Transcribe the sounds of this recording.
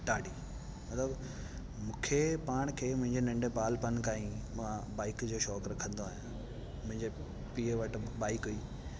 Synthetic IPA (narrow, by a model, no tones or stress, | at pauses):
ʈaːɽiː | mɐt̪ləb | mũːkʰepaːɽ̃kʰeːmʊ̃ɦɪ̃ɲd͡ʑenɐ̃ɳɖepaːlpɐnkaːĩãbaːɪkd͡ʑoːʃɔːkɾɐkʰə̃nd̪oaːɦijã | mʊ̃ɦɪ̃ɲd͡ʑe | piːəʋɐʈ̆baːɪkɦuiː